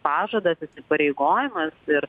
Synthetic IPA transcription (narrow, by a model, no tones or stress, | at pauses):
pɑːʒɐd̪ɐsɪsʲɪpɐɾʲeɪɡoːjɪmɐsɪɾ